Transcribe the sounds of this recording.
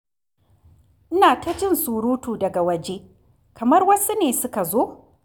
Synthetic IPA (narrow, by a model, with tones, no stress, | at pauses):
ʔɪ˦naː˨tɐ˦t͡ʃɪ˦˨nsuː˨ɾuː˦tuː˨dɐ˨ɡa˨wɐ˨d͡ʒe˦ | kɐ˨mɐ˦rwɐ˦su˦neː˨sʊ˦ka˨zoː˦